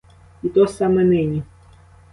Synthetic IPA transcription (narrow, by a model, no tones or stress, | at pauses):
it̪ɔsɑmɛnɪnʲi